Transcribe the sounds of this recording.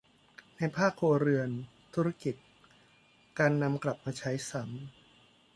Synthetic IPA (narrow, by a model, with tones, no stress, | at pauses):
na˧jpʰaː˥˩kʰːoː˧ɾɯ˧ən | t̪ʰu˦˥ɾa˦˥ki˨˩t̪̚ | kaː˧nːa˧mkla˨˩p̚maː˧t͡ɕʰa˦˥jsa˩˦m